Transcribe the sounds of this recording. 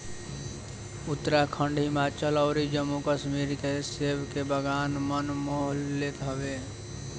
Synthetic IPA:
ʊt̪ːəɾakʰə̃ɳɖʱɦɪmaːt͡ʃəlɔːɾid͡ʒəmːukəʃmiːɾkeseːbkebəɡaːnmənmoːɦlːet̪əʋeː

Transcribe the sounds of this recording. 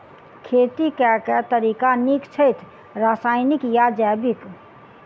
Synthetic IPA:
kʰeːt̪ikɛkɛt̪əɾiːkanikt͡ʃʰəɪt̪ʰ | ɾasaːɪnikjad͡ʒɛbik

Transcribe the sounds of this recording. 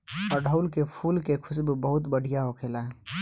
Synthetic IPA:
ɔɾɖʱəʊlkepʰuːlkekʰʊsbbəɦʊt̪bəɽ̤ʱijaɦokʰelaɦɛ

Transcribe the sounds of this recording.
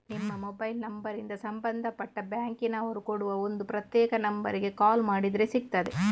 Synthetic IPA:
nɪmːɐmɔbɐɪlnɐmbɐɾɪnd̪ɐsɐmbɐnd̪ɐpːɐʈːɐbaːŋkɪnɐʋɔɾɯkɔɽɯʋɐɔnd̪ɯpɪɾɐt̪jeːɣɐnɐmbɐ̰ɾɪɣekaːlmaːɽiðɪɾesɪk̚t̪ːɐðe

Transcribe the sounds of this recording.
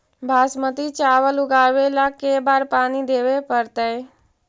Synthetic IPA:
bʱaːsmət̪it͡ʃaːʋəlʊɡaːʋelakeːbaːɾpaːnid̪eːʋepəɾt̪əj

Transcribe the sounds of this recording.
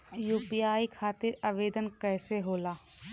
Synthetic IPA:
juːpiaːikʰaːt̪ɪɾaʋeːd̪ənkɛːseɦoːlaː

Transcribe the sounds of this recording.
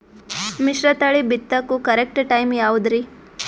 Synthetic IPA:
miʃɾɐt̪aɭibit̪ːɐkukɐɾek̚ʈʈajmjaud̪ɾi

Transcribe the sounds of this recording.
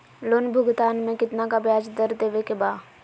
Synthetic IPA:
loːnbʱʊɡt̪aːnmẽkɪt̪nakabjaːd͡ʒd̪əɾd̪eːʋekebaː

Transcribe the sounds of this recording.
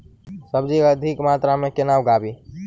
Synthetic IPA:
səbd͡ʒikaəd̪ʱikmaːt̪ɾamẽkɪnaːwɡaːbiː

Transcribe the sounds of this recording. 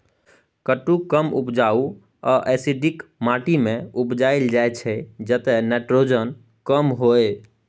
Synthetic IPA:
kəʈːukəmṵpd͡ʒau | ɔʔɛsiɖikmaʈimẽupd͡ʒaeld͡ʒajt͡ʃʰɛd͡ʒət̪ɛnɛʈɾod͡ʒən | kəmɦoe

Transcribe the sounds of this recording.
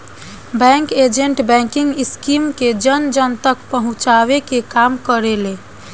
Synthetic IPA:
bɛ̃ŋked͡ʒeɳʈbɛ̃ŋkiŋɡiskimked͡ʒənd͡ʒənt̪ək̚pəɦũt͡ʃaβekekamkəɾele

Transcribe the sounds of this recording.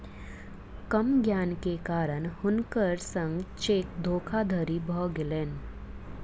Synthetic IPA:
kəmɡjaːnkekaːɾənhʊnkəɾsə̃ŋɡt͡ʃeːk̚d̪ʱoːkʰad̪ʱəɾibʱɔːɡɪleːn

